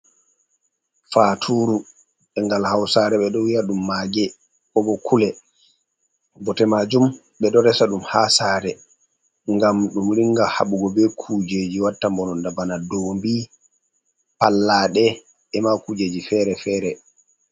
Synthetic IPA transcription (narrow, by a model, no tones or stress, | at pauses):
fatʰuːɾu | ɛŋɡalhawsaɾɛɓɛɗɔwijaɗumːaːɡɛ | kɔɓɔkʰulɛ | bɔtɛmad͡ʒum | ɓɛɗɔɾɛsaɗumhasaːɾɛ | ŋɡamɗumɾiŋɡaha̰ɓuɡɔbɛkʰud͡ʒed͡ʒiwatːambɔnɔndabanadɔmbi | palːaːɗɛ | ɛmakud͡ʒed͡ʒifɛɾɛfɛːɾɛ